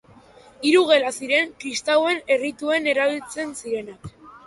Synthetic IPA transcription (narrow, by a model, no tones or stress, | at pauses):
iɾuɣ̞e̞lasiɾe̞ŋkɾist̪awe̞ne̞rit̪ue̞ne̞ɾaβ̞ilt͡se̞nsiɾe̞nak